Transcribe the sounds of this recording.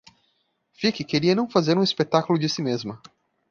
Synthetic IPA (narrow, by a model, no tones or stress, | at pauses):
fikɪkeɾiɐnɐ̃w̃fazeɾũispet̪akulʊd͡ʒɪsimezmɐ